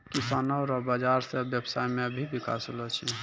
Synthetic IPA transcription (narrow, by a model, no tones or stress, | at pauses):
kisanɔwɾabad͡ʒaɾsebjəbsajmẽəbʱibika̰solɔt͡ʃʰi